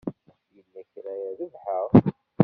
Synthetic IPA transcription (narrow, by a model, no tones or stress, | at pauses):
jəlːæçɾæjæðivħəʁ